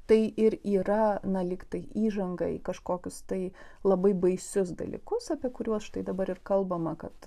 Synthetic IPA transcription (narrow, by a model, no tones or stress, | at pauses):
t̪ɐɪʔɪɾiːɾɐnɐlʲiːkt̪ɐɪʔiːʒɐŋɡɐɪkɐʃkoːkʲʊst̪ɐɪlˠɐbɐɪbɐɪsʲʊsd̪ɐ̰lʲḭːkʊsɐpʲiɛkʊɾʲuɔsʃt̪ɐɪd̪ɐbɐɾɪrkɐlˠbɐmɐkɐt̪